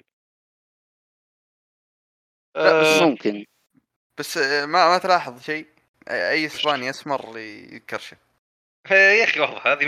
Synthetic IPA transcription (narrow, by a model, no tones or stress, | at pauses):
ʔaamʊmkɪn | b̥asːmamat̪lɑːħɨðˤʃeː | ʔaʔajːɪsbaːniʔasmɑɾˤjɪ̰ðkɪɾˤʃa | jaxiwɑħðˤɨħhaːði